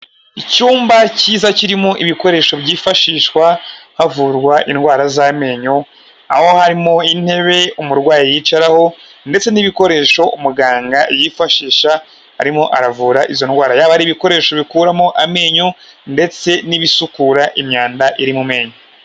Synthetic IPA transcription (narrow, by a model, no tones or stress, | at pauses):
icuːmbaciːzaciɾimoʔiβiko̞ɾe̞ʃo̞bɟiːfaʃiːʃwahavuɾɡwaʔinɡwaːɾazaːme̞ːɲo | a̰ho̞haɾimo̞in̥he̞βe̞umuɾɡwaːjijit͡ʃaɾaho̞ | nde̞t͡se̞niβiko̞ɾe̞ʃo̞ʔumuɡaːŋɡajifaʃiːʃa | hːɾimo̞ʔaɾavuːɾaʔizo̞nɡwaːɾajaːβahaɾiːβiko̞ɾe̞ːʃo̞βikuːɾamoʔame̞ːɲonde̞t͡se̞niβisukuːɾaʔimɲaːndaʔiɾimume̞ːɲo